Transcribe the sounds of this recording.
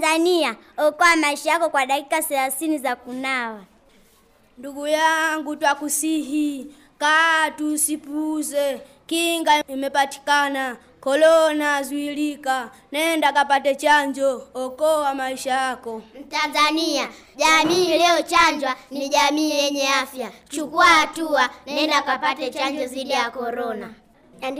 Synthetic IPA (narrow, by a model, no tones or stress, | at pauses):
zaniaɔkɔwamaiʃajakɔkwaɗakikasɛlaθinizakunawa | nduɡujaŋɡutwakusiɦi | katusipuzɛ | kiŋɡaimɛpati̥kana | kɔlɔnazwilika | nɛndakapatɛt͡ʃaɲd͡ʒɔhɔkɔwamaiʃajakɔm̩tanzania | ʄamiːlɛɔt͡ʃaɲd͡ʒwaniʄamiːjɛɲɛafjat͡ʃukuahatuaɛndakapatɛt͡ʃaɲd͡ʒɔzidijakɔɾɔna